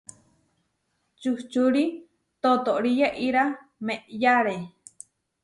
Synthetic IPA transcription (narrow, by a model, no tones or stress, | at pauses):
t͡ʃuht͡ʃuɾi | t̪ot̪oʔɾijaʔiɾameʔjaɾe